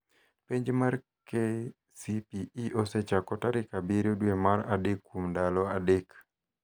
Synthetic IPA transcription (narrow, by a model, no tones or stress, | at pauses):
peɲd͡ʒmar | ke | sipiiʔosɛt͡ʃakɔtaɾikabiɾoduemaɾadɪkːumdalɔadɪk